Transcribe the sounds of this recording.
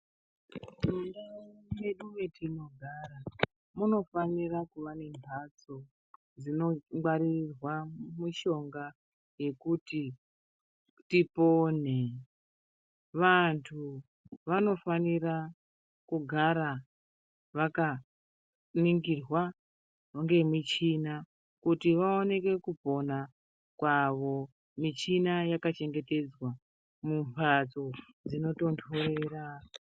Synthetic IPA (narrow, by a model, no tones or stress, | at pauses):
dundaje̞ɗuʋe̞tʰino̞ɡʱaːɾa | muno̞fanirakuʋane̞mbʱat͡so̞ | d͡zino̞ɡ͡baɾirwamuʃo̞ŋɡa | je̞kuti | tipo̞n̤e | ʋantʰu | ʋano̞fanira | kuɡʱaɾa | ʋaka | niŋɡirwa | ŋɡe̞mit͡ʃina | kutiʋao̞ne̞kwe̞kupo̞na | kwaʋo̞ | mit͡ʃinajakat͡ʃe̞ŋɡe̞te̞d͡zwa | mumpʰat͡so | d͡zino̞to̞ntʰorera